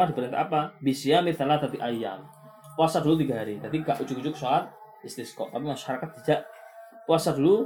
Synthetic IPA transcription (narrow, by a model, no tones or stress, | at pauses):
ahdipəɾint̪a̰ʔapabisiamiθalat̪at̪iʔaja̰m | puasadulut̪̬iɡaɦaɾid̪adiɡaʔud͡ʒʊkud͡ʒʊk̚salat̪̚ | ɪst̪ɪskɔ̰ʔa̰pamaʃaɾakat̪̚ːid̥aʔ | puasadulu